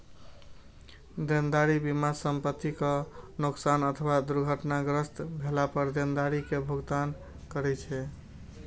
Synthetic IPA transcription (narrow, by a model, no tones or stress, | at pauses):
d̪end̪aɾibimasəmpət̪ːikənoksanət̪ʰəwad̪uɾɡʱəʈnaɡɾəst̪bʱelapəɾd̪end̪aɾikebʱoɡt̪an | kəɾɛt͡ʃʰɛ